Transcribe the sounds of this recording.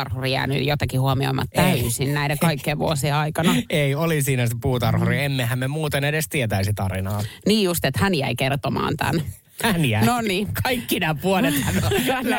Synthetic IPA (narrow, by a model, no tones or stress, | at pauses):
ɑrhurijæ̰ːny̰ːjot̪ɑkihuomio̰imɑ̰t̪t̪æysinnæidekɑikːeːʋʋuosieɑikɑnɑeiolisiːnæsepuːt̪ɑrhuriemːehæmmemuːt̪enedest̪iet̪æisit̪ɑrinɑːniːjust̪et̪hænjæ̰ikert̪omɑ̰ːnt̪æ̰n | ænjænoniːkɑikːinæːpuolet̪hænon